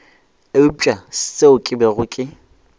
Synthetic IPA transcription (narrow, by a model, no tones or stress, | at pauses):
eʊt͡ʃʼaseʊkʼɪbɛɣʊkʼɪ